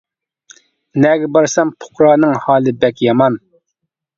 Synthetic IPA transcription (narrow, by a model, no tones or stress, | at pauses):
nɛɡʲɛbɑɾsɑmpʰo̥qɾɑːnɨŋhɑːlˠɨbɛkʲjɑmɑn